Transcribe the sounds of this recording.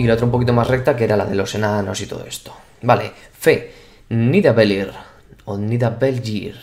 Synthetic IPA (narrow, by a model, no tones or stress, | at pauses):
ilot̪ɾoumpo̞kit̪o̞maszrek̚t̪akeɾalað̞elo̞senano̞̰sit̪oðoe̞st̪o̥ | balefe | niðaβeliɾ | oniðabeld͡ʒiɾ